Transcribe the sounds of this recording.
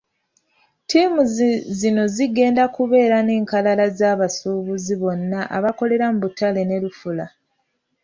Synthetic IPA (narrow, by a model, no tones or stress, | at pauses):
tiːmuzzino̞ziɡe̞ːndakuβe̞ːɾane̞ːŋkalalazaːβasuːβuziβo̞nːaʔa̰βako̞le̞ɾamuβutale̞nelufula